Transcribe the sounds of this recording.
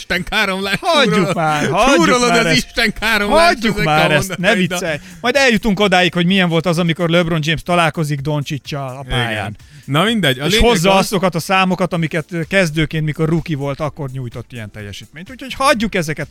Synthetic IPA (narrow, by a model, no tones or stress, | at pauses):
ʃt̪ɛŋkaːɾomlaːhɒɟːumaːrhɒuɾuolomad̪ːɾiʃt̪ɛŋkʰaːɾomlɔɟːukmaːɾɛnɛvit̪ssɛj | mɒjd̪ɛljut̪uŋkod̪aːjikho̞ɟmijɛɱvo̞lt̪ɒzɒmiko̞rløbro̞nd͡ʒeːmst̪ɒlaːlko̞ziɡd̪o̞nt͡ʃit͡ʃːɒːpaːja̰ːn | nɒmind̪ɛɟːɒleho̞zːɒɒzo̞kɒt̪ɒsaːmo̞kɒt̪ɒmikɛt̪ːkɛzd̪øːkeːnt̪miko̞rːukivo̞lt̪ɒkːo̞rɲuːjt̪o̞t̪ːijɛ̰nt̪ɛ̰jːɛ̰ʃiːt̪meːɲt̪uɲcʰho̞chɒɟːukɛzɛkɛt̪